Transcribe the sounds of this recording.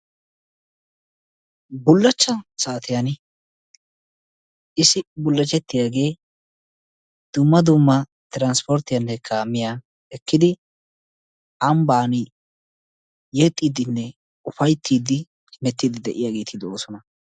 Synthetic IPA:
bʊlːɐt͡ʃːɐsaːt̪ɪjɐn | ʔɪsɪbʊlːɐt͡ʃːɛt̪ːɪjaːɡe̞ː | d̪̥ʊmːɐd̪ʊmːɐ | t̪ɪɾanspɔɾt̪ːɪjanːɛkʰaːmːɪjaː | ɛkːɪd̪ɪ | ɐmbaːn | jɛt̪ʼːiːd̪ɪnːɛ | ʊfɐjt̪ʰːiːd̪ɪ | mɛt̪ːid̪ɪd̪ɛʔɪjaːɡe̞ːt̪ɪd̪oːsɔnɐ

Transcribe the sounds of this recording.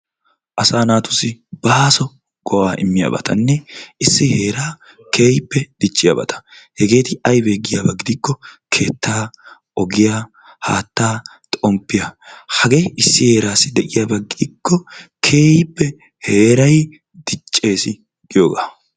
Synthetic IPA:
ʔɐsaːnaːt̪ʊsɪb̥aːsɔ | ɡ̥ɔwaːʔɪ̰mːɪja̰ːbɐ̰t̪ɐ̰nːɛɪsːɪhe̞ːɾaː | ke̞ːjɪpːɛd̪̥ɪt͡ʃʼːɪja̰bɐ̰t̪ɐ̥hɛɡe̞ːt̪ɪɐjbeːɡɪjaːbɐɡɪd̪ɪkːɔkʰe̞ːt̪ːaː | ʔɔɡɪjaː | haːt̪ːaː | t̪ʼɔmpːɪjahɐɡeʔɪsːɪhe̞ːɾaːsːɪd̪ɛʔɪjaːbɐɡɪd̪ɪkːɔkʰe̞ːjɪpːɛ | he̞ːɾɐj | d̪̥ɪt͡ʃʼːe̞ːsɪ | ɡɪjoːɡa̰ː

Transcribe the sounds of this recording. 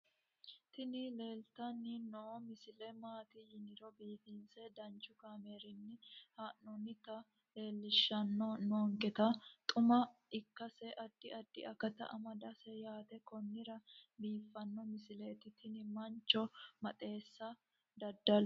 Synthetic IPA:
t̪ɪnɪle̞ːlt̪ɐnːɪnɔmɪsɪlɛmaːt̪ɪjɪnɪɾɔbiːfinsɛd̪ɐnt͡ʃːʊkaːme̞ːɾɪnːɪhanːɔnɪt̪ɐ | le̞ːlːɪʃːɐnːɔnɔːŋkɛt̪ɐt̪ʼʊmɐɪkːɐsɛʔɐd̪ːɪɐd̪ːɪɐkɐt̪ɐ̰ʔɐmɐd̪ɐsɛjaːt̪ɛkɔnːɪɾɐbiːfːɐnːɔmɪsɪleːt̪ɪt̪ɪnɪmɐnt͡ʃːɔmɐt̪ʼe̞ːsːɐ | d̪ɐd̪ːɐl

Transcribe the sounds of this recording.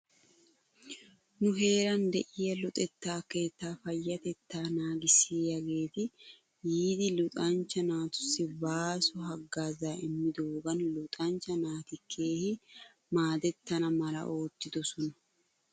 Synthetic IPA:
nʊɦe̞ːɾɐnd̪ɛʔɪjɐlʊt̪ʼɛt̪ːaːke̞ːt̪ːaːfɐjːɐt̪ɛt̪ːaːnaːɡɪsiːjɐɡe̞ːt̪ɪ | jiːd̪ɪlʊt̪ʼaːnt͡ʃːɐnaːt̪ʊ̥sɪbaːsʊɦɐɡaːzaːʔɪmːɪd̪oːɡɐnlʊt̪ʼaːnt͡ʃɐnaːt̪ɪkʰːeːhɪ | maːd̪ɛt̪ːɐnɐmɐlɐ̰ʔo̞ːt̪ːɪd̪ɔsɔnɐ̥

